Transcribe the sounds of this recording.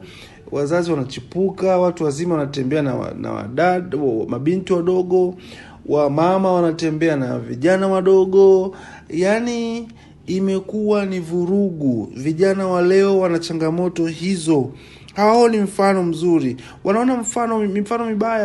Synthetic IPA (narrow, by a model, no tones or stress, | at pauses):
wazaziwanat͡ʃipukawatuwazimawanatɛmbɛana̰a̰na̰wa̰ɗawma̰ɓintiwaɗɔɠɔ | wamamawanatɛmbɛanaviʄanawaɗɔɠɔ | janiː | mɛkuwanivuɾuɠuviʄanawalɛɔwanat͡ʃaŋɡamɔtɔhizɔ | haɔnim̩fanɔm̩zuɾi | wʔanaɔnam̩fanɔmifanɔmiɓaja